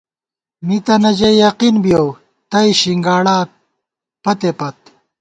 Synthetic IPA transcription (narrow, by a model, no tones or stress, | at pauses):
mit̪ɐnɐd͡ʑejɐqinbjow | t̪ɐiɕiŋɡaːɽaː | pɐt̪epɐt̪̚